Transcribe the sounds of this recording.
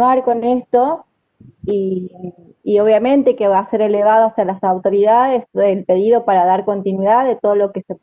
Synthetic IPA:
aɾko̞nest̪o̞ | iː | o̞βjamẽ̞nt̪ekeβase̞ɾeleβaðoasealasawt̪o̞ɾiðaðeselpe̞ð̞iðo̞paɾaðaɾko̞nt̪inwiðaððet̪oðolo̞kese

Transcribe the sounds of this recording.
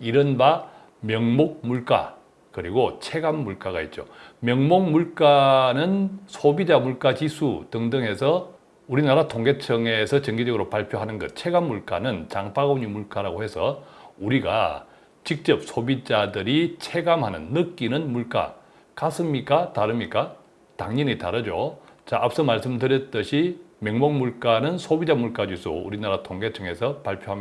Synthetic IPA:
iɾɯnba | mjʌŋmok̚muɭk͈a̰ | kɯɾiɡot͡ɕʰe̞ɡamːuɭk͈aɣait̚t͡ɕ͈o̰mjʌŋmok̚muɭk͈anɯnsʰobid͡ʑamuɭk͈at͡ɕisʰutɯŋdɯŋɦe̞sʰʌ | uɾinaɾatʰoŋɡe̞t͡ɕʰʌŋe̞sʰʌt͡ɕʌŋɡid͡ʑʌɡɯɾopaɭpʰjoɦanɯnɡʌt̚t͡ɕʰe̞ɡamːuɭk͈a̰nɯnt͡ɕaŋpaɡoɲimuɭk͈aɾaɡohe̞sʰʌ̰uɾiɡa̰ | t͡ɕik̚t͡ɕ͈ʌp̚sʰobid͡ʑadɯɾit͡ɕʰe̞ɡamɦanɯ̰nːɯk͈inɯnmuɭk͈a̰ | kas͈ɯmɲik͈ataɾɯmɲik͈a | taŋɲiɲitaɾɯd͡ʑot͡ɕaʔapʰs͈ʌmaɭs͈ɯmdɯɾjʌt̚t͈ɯɕʰimeŋmoŋmuɭk͈anɯnsʰobid͡ʑamuɭk͈ad͡ʑisʰo̰ṵɾinaɾatʰoŋɡe̞t͡ɕʰʌŋe̞sʰʌpaɭpʰjoɦami

